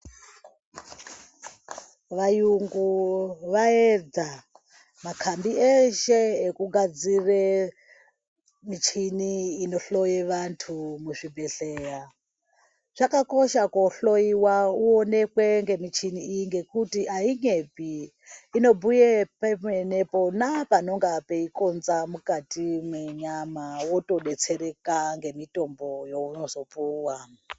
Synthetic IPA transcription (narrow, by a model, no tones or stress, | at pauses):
ʋajuŋɡuʋaed͡za | makʰambieʃeːkuɡʱad͡zire | mit͡ʃʰiniːno̞ɬo̞jeʋantʰumuʐibʱe̞ɬeːja | ʐ̥akako̞ʃakoɬojiwauonekweŋɡe̞mit͡ʃʰiniijiŋɡe̞kutiaiɲepiː | no̞bʱujepemeneponapanoŋɡapeikonzamukatimweɲamawoto̞ɗet͡sʰeɾekaŋɡe̞mitʼo̞mbojounozopuːwa